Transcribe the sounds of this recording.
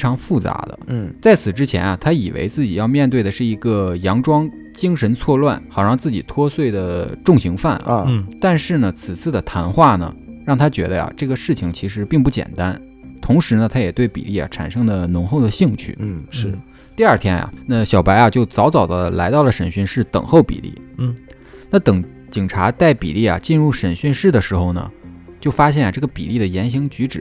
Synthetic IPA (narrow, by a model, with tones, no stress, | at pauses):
e˥ʈ͡ʂʰɑ˧˥ŋfu˥˩t͡sa̰˧˥d̪ə̰˧t͡sa˥˩ɪt͡sʰɹ̩˨˩ʈ͡ʂɻ̩˥t͡ɕʰjɛ̰˧˥na˧t̪ʰa˥i˨˩wḛ˧˥ɪt͡sɹ̩˥˩t͡ɕi˨˩jɑ˥˧ʊmjɛ˥˧nt̪we˥˩ɪd̪ə˩ʂɻ̩˥˩i˧˥ɡə˧jɑ˧˥ŋʈ͡ʂwɑ˥ŋ | t͡ɕi˥ŋʂə˧˥nt͡sʰwɔ˥˧lwa˥˩nxɑ˨˩ʊʂɑ˥˧ŋt͡sɹ̩˥˩t͡ɕi˨˩t̪ʰwɔ˥swe˥˩ɪd̪ə˩ʈ͡ʂʊ˥˩ŋɕi˧˥ŋfa˥˩nt̪a˥˧nʂɻ̩˥˩nə˩t͡sʰɹ̩˨˩t͡sʰɹ̩˥˩d̪ə˩t̪ʰa˧˥nxwa˥˩nə̰˩ɻɑ˥˩ŋt̪ʰa˥t͡ɕɥɛ˧˥d̪ə˧ja̰˨˩ʈ͡ʂɤ˥˩ɡə˩ʂɻ̩˥˩t͡ɕʰi˩ŋt͡ɕʰi˧˥ʂɻ̩˧˥pi˥˧ŋpu˥˩t͡ɕjɛ̰˨˩nt̪a˥n | t̪ʰʊ˧˥ŋʂɻ̩˧˥nə˧t̪ʰa˥jɛ˨˩t̪we˥˩ɪpḭ˨˩lḭ˥˩ja̰˨˩ʈ͡ʂʰa̰˨˩nʂɤ˥ŋd̪ə˨nʊ˧˥ŋxo˥˩ʊd̪ə˩ɕi˥˧ŋt͡ɕʰy̰˥˩ʂɻ̩˥˩ | t̪i˥˧ɐ˞˥˩t̪ʰjɛ˥nja̰˨˩na˥˧ɕjɑ˨˩ʊpa˧˥ɪa˧t͡ɕjo˥˩ʊt͡sɑ˧˥ʊt͡sɑ˨˩ʊd̪ə˦la̰˧˥ɪt̪ɑ˥˩ʊlə˩ʂə˨˩nɕy˥˧nʂɻ̩˥˩t̪ɤ̰˨˩ŋxo˥˩ʊpḭ˨˩lḭ˥˩ | na˥˩t̪ɤ˨˩ŋ | t͡ɕi˨˩ŋʈ͡ʂʰa˧˥t̪a˥˩ɪpḭ˨˩li˥˩ja̰˩t͡ɕi˥˧nɻu˥˩ʂə˨˩nɕy˥˧nʂɻ̩˥˩d̪ə˩ʂɻ̩˧˥xo˥˧ʊnə̰˩t͡ɕjo˥˩ʊfa˥ɕ̬jɛ˥˩nja˩ʈ͡ʂɤ˥˩ɡə˩pḭ˨˩li˥˩d̪ə˩jɛ˧˥nɕi˧˥ŋt͡ɕy˧˥ʈ͡ʂɻ̩˨˩˦